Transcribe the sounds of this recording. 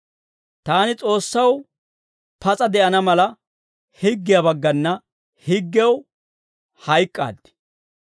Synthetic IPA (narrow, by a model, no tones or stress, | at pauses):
t̪aːnɪt͡sʼo̞ːsːɐw | pɐt͡sʼɐd̪ɛʔɐnɐmɐlɐ | hɪɡːɪjɐbɐɡːɐnːɐ | hɪɡːɛw | hɐjkʼːa̰ːd̪ːɪ̥